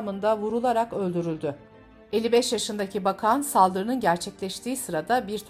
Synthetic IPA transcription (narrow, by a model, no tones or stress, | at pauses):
mɯnd̪avuɾulˠaɾakø̞lʲd̪yɾylʲd̪y | e̞lʲːibɛʃjaʃɯnd̪acʰibakʰansalˠd̪ɯɾɯnɯnɟæɾt͡ʃʰɛclʲɛʃt̪ʰiːsɯɾad̪abiɾt̪ʰ